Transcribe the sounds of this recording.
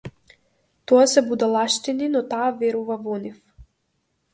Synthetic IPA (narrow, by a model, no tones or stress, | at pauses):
t̪ɔasɛbud̪alˠaʃt̪ininɔt̪aːvɛɾuvavɔnif